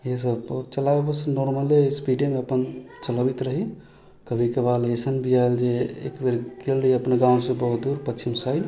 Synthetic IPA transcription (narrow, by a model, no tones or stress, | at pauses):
jes̬əbt͡ʃəlabebəsənɔɾməlespiɖemeəpənt͡ʃələbit̪ɾəɦi | kəbʱikebalesənbʱiaeld͡ʒeḛkbeɾkelɾəɦiəpnaɡãwsẽbəɦut̪̚d̪uɾpətːt͡ʃʰimsəj